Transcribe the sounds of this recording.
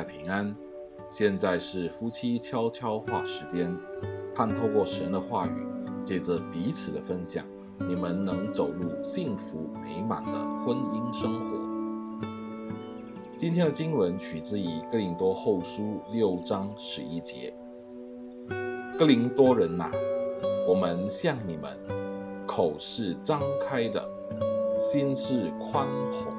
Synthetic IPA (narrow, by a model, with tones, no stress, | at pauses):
a˥˩ɪpʰi˧˥ŋa˥n | ɕjɛ˥˧nt͡sa˥˧ɪʂɻ̩˥˩fu˥t͡ɕʰi˥t͡ɕʰjɑ˥ʊt͡ɕʰjɑ˥ʊxwa˥˩ʂɻ̩˧˥t͡ɕjɛ˥nkʰa˥˧nt̪ʰo˥˧ʊkwɔ˥˩ʂə˧˥nd̪ə˧xwa˥˩y̰˨˩t͡ɕjɛ˨˩ʈ͡ʂə˩pi˧˥t͡sʰɹ̩˨˩d̪ə˦fə˥nɕjɑ̰˨˩ŋ | ni˨˩mə˧˦nnɤ˧˥ŋt͡so˨˩ʊlu˥˩ɕi˥˩ŋfu˧˥me˧˥ɪma̰˨˩˦nd̪ə̰˧˦xwə˥ni˥nʂɤ˥ŋxwɔ̰˧˥˦ | t͡ɕi˥nt̪ʰjɛ˥nd̪ə˨˩t͡ɕi˥nwə˧˥nt͡ɕʰy˨˩t͡sɹ̩˥˩i˨˩kɤ˥li˧˥ŋt̪wɔ˥xo˥˩ʊʂu˥ljo˥˩ʊʈ͡ʂɑ˥ŋʂɻ̩˧˥i˥t͡ɕjɛ̰˧˥˦ | kɤ˥li˧˥ŋt̪wɔ˥ɻə˧˥na̰˧˨wɔ˨˩mə˧nɕjɑ˥˩ŋni˨˩mə̰˦nkʰo˨˩ʊʂɻ̩˥˩ʈ͡ʂɑ˥ŋkʰa˥ɪd̪ə̰˨ | ɕi˥nʂɻ̩˥˩kʰwa˥nxʊ̰˧˥˦ŋ